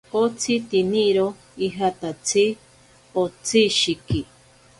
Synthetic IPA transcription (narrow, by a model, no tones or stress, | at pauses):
ot͡sʰit̪iniɾo | iɦat̪at͡sʰi | ot͡sʰiʃiki